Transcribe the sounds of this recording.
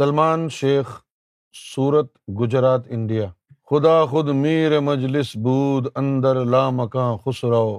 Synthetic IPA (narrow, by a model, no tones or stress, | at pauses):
sɐlmaːnʃeːx | suːɾət̪ɡʊd͡ʒɾaːt̪ɪɳɖijaː | xʊd̪aːxʊd̪miːɾemɐd͡ʒlɪsbuːd̪ɐ̃nd̪əɾlaːmɐkãːxʊsɾɐɦoː